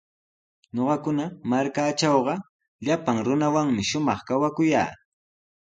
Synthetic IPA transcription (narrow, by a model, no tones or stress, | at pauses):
ɲoɢɑkʊnamaɾkaːt͡ʃɑwɢɑ | ʎapaŋɾʊnawaŋmɪʃʊmɑχkawakʊja̰ː